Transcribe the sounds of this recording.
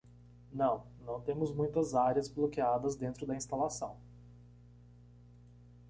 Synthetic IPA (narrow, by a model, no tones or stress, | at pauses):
nɐ̃w̃nɐ̃w̃t̪ẽmʊzmũj̃t̪ɐzaɾiɐzblokead̪ɐzd̪ẽnt̪ɾʊd̪ɐĩst̪alasɐ̃w̃